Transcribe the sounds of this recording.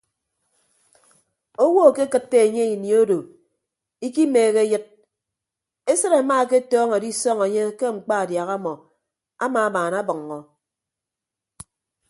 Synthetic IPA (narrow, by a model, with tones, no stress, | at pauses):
o˦wo˦˨ke˦kɨ˦t̚tːe˦e˨ɲe˦i˨njo˦do˨ | i˦ki˦meː˨ɣe˦jɨ˦t̚ | e˦sɨ˦ɾa˨˦maː˦˨ke˦tɔː˦ŋe˨di˦sɔ˦ŋe˨ɲe˦ke˦ŋ͡m̩˨k͡pa˦a˨dja˨ɣa˦mɔ˨ | a˦maː˨a˦baː˨na˦bʌ˨ŋː˨ɔ˨